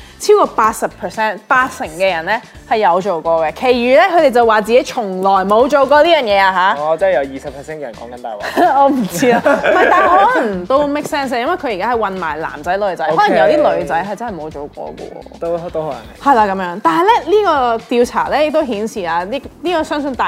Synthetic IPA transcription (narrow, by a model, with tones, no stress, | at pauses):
t͡sʰiː˥wkɔː˧paː˧t̚sɐ˨pʰəː˨˩sɛː˥npaː˧t̚sɪ˨˩ŋkɛː˧jɐ˨˩nlɛ˥ | hɐ˨˩jːɐ˨˧wt͡ʃo˨wkɔː˧kɛ˧kʰe˨˩jɥyː˨˩lɛː˥kʰɵ˧t̪e˨˩jt͡sɐ˨waː˨˩t͡siː˨ke˨˥jt͡ʃʰʊ˨˩ŋlɔː˨˩jmo˨˧wt͡ʃo˨wkɔː˧liː˥jœː˨˩njɛː˨˧aː˧ɦaː˨˧˥ɔ˨˧t͡sɐ˥jɐ˨˧wjiː˨˩sɐ˨pʰɛ˨sɛː˥nkɛ˧jɐ˨˩nkɔː˨˦ŋkɐ˨˦nt̪aː˨jwa˨ɔː˨˧m̩˨˩t͡si˥aː˧mɐ˨jt̪aː˨nɔː˨˥lɐ˨˩ŋt̪o˥wme˥k̚sɛː˥ns̬aː˧jɐ˥mwɐ˨˩jkʰɵ˧ji˨kaː˥ɦɐ˨˩jwɐ˨nma̰ː˨˩jla̰ː˨˩mt͡sɐ˨˥jlɵ˨˧ɥt͡sɐ˨˦jɔː˨˥lɐ˨ŋjɐ˨˧wt̪iː˥lɵ˨˧ɥt͡sɐ˨˥jɦɐ˨jt͡sɐ˥nhɐ˨˩mo˨˧wt͡ʃo˨wkɔ̰ː˧kɔ̰˧wɔ̰˧o˥t̪o˥hhɐ˨jlaː˧kɐ˨˧˥mjœː˨˧˥ŋt̪aː˨˩nɦɐ˨˩jlɛ˥liː˥kɔː˧t̪iː˧wt͡sʰa̰ː˨˩lɛː˥jɪ˨k̚t̪o˥ɦhiː˨˥nsiː˨˩aː˧liː˥niː˥kɔː˧˩sœː˥ŋsɵ˧nt̪aː˨